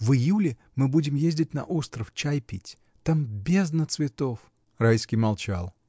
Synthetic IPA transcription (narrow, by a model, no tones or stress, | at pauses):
vɨjulʲɪ | mɨbudʲɪmjezʲdʲɪtʲnɐ̰ʔost̪ɾəft͡ɕajpʲitʲ | t̪ambʲeznət̪svʲɪt̪of | rajskʲɪjmɐlˠt͡ɕa̰lˠ